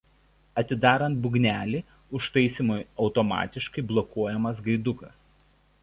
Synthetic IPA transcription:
ɐt̪ʲɪd̪ɑːɾɐnt̪̚bʊɡʲnʲæːlʲiː | ʊʃt̪ɐɪsʲiːˑmʊjɒʊt̪ɔmɑ̰ːt̪ʲɪʃkɐɪblˠɔkuɔjɛmɐsɡɐɪd̪ʊkɐs

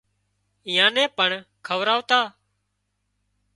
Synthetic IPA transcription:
iːãːnɛ̃ːpəɳkʰəʋɾaːʋt̪aː

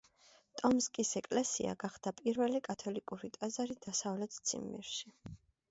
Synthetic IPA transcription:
t̪ʼɔmskʼisɛkʼlɛsḭa̰ɡaχd̪̥apʼiɾvɛlikʼat̪ʰɔlikʼuɾit̪ʼazaɾid̪̥asavlɛt̪ʰt̪sʰḭmːḭɾʃi

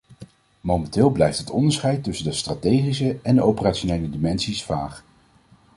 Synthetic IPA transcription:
mowmɛntɪːlˠblɛjftɦətɔndəɹsχɛjtːɵsəndəstratejχisəɛndəowpəraːtʃonejlədimɛnsisfaːχ

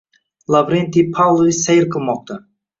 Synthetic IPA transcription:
lˠavɾent̪ipʰawlˠoisajɾqʰɨlˠmɒq̚t̪a

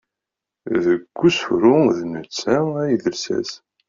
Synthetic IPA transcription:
ðəɡʷːusfɾʊðnət͡sːææjðəlsæ̰s

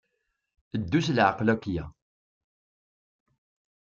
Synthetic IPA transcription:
əd̪ːuslʕəqlækːjæ̰

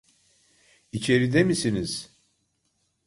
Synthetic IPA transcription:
it͡ʃʰe̞ɾid̪emisiniz̥

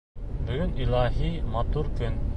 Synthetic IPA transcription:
bɵ̆ɡɵnilˠɑɦimɑt̪uɾkɵn

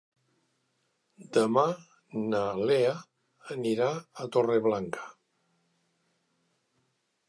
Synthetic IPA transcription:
d̪əma | nalea | əniɾaət̪oreβlaŋkə̥

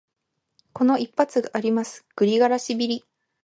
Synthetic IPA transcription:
ko̞no̞ipːat͡sɨɡaʔːɾʲimasɨ̥ɡ̥ɯ̟ɾʲiɡaɾaɕibʲiɾʲi

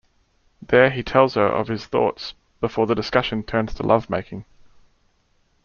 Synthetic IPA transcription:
ðəitʰɛlˠz̥əɹʔə̰v̥ɪz̥θɔ̰ˑts | b̥ɪfɔːðədɪskʌʃə̃ntʰɜ̃ːnz̥tʰəlʔʌvmeɪkɪ̃ŋ

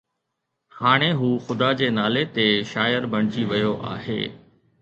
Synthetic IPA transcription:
haːɽ̃eɦuːxʊd̪ad͡ʑeːnaːlet̪eʃaːjəɾbʱɐɽ̤̃ɪd͡ʑiʋɪjoʔa̰ːɦḛː

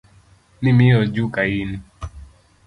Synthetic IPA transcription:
nimiɔd͡ʒukaini

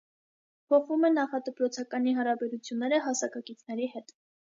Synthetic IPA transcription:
pʰɔχvumɛnːɑχɑd̪əpɾɔt͡sʰɑkɑniɦɑɾɑbɛɾut͡sʰjunːɛɾəɦɑsɑkɑkit͡sʰnɛɾihɛt̪

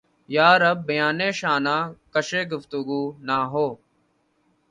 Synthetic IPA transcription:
jaːɾəb̚ːəjaːnẽːʃaːnãːkəʃeːɡʊft̪ʊɡuːnaːɦoː

